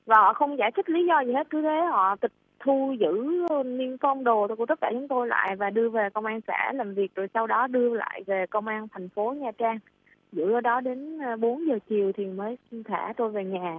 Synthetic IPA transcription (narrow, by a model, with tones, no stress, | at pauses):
vaː˨˩hɔ̰˧˨xə˧wŋ͡mzaː˧˩jt̪ʰi˦˥k̚li˨˦zɔ˧zi˨˩he˦˥t̚kɨ˨˦t̪ʰe˨˦hɔ̰˧˨t̪ï˨˩k̚t̪ʰu˧zɨ̰˧˥˧ni˧ənfɔ˧wŋ͡mɗo˨˩˧ku˧˩əə˦˥kːaː˧˩t͡ɕʊ˨˦ŋ͡mt̪o˧jla̰ː˧˨jvaː˨˩ɗɨ˧əve˨˩kə˧wŋ͡mʔaː˧nsa̰ː˧˩laː˨˩mvi˨˩ək̚zo˨˩jsa˧wɗɔ˨˦ɗɨ˧əla̰ː˧˨jve˨˩kə˧wŋ͡mʔaː˧nt̪ʰɛ˨˩jŋ̟fo˨˦ɲaː˨˩t͡ɕaː˧ŋ | zɨ̰˧˥ə˧ɗɔ˨˦ɗe˨˦nː˧ɓo˨˦ənzəː˨˩t͡ɕi˨˩əwt̪ʰi˨˩məː˨˦jnt̪ʰaː˧˩t̪o˧jve˨˩ɲaː˨˩